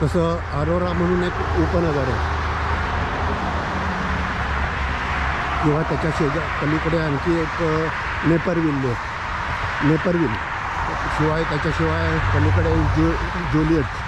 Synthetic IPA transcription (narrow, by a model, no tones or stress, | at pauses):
t̪əsə | əɾoɾaməɽ̃ũːnek | upənəɡəɾə | kĩw̃ʋat̪jat͡ɕaɕed͡ʑakəlikəɽeankiek | nepəɾʋilːo | nepəɾʋil | ɕiʋajt̪jat͡ɕaɕiʋajkəlikəɽeo | d͡ʑolieʈ